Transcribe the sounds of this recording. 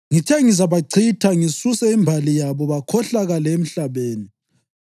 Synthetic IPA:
ŋitʰɛŋizaβaǀʰitʰaŋisusɛimbʱalijaβɔβakʰɔɬaɣalɛem̩ɬaβeːni

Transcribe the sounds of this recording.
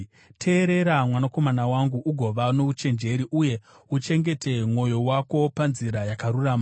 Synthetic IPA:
tʰe̞ːɾe̞ɾamwanako̞manawaŋɡuʔuɡʱo̞ʋano̞ut͡ʃe̞nd͡ʒe̞ɾiʔuje̞ | ut͡ʃe̞ŋɡe̞tʰe̞mwo̞jo̞wako̞panziɾajakaɾuraːma

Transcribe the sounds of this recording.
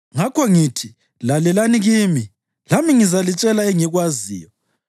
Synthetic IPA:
ŋakʰɔŋitʰi | lalɛlaniɣimi | lamiŋizalit͡ʃʼɛlaɛŋiɣwazḭːjɔ

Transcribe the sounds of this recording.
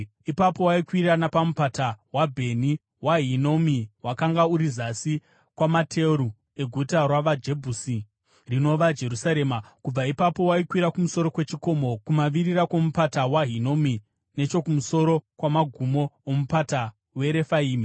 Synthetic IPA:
ipapo̞waikwiranapamupatawabʱe̞ni | waɦino̞miwakaŋɡauɾizasi | kwamatʰe̞ɾu | e̞ɡʱutarwaʋad͡ʒe̞bʱusi | rino̞ʋad͡ʒe̞rusaɾe̞ːmakub͡vaipapo̞waikwiɾakumuso̞ɾo̞kwe̞t͡ʃiko̞mo̞kumaʋirirako̞mupatawaɦino̞mi | ne̞t͡ʃo̞kumuso̞ɾo̞kwamaɡʱumoomupata | we̞ɾe̞faiːmi

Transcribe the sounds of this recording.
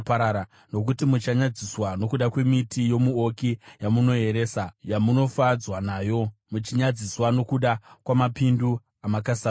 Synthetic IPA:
paɾaɾa | no̞k̬utimut͡ʃaɲad͡ziswano̞kuɗakwe̞mitijo̞muokijamuno̞e̞ɾeːsajamuno̞fad͡zwanaːjo̞mut͡ʃiɲad͡ziswano̞kuɗakwamapindu | amakasa

